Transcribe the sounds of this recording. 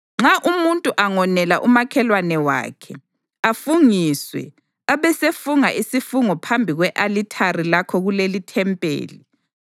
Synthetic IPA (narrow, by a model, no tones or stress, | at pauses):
ŋ͡ǁaʔumuntʼuʔaŋɔnɛlaʔumakʰɛlwanɛwa̰ːkʰɛ | afuŋiswɛ̰ | aβɛsefuŋaʔisifuŋɔpʰambʱiɣwɛʔalitʰarilakʰɔɣulelitʰɛmpʼḛːli